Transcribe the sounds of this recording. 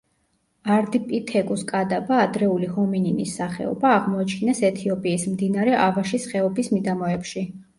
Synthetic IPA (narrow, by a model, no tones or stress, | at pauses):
aɾd̪ipʼit̪ʰɛkʼuskʼad̪abaːd̪ɾɛulihɔmininḭsːaχɛ̰ɔ̰baːʁmɔat͡ʃʰinɛsɛt̪ʰiɔpʼiːsmd̪inaɾɛʔavaʃisχɛɔbismid̪amɔɛpʃi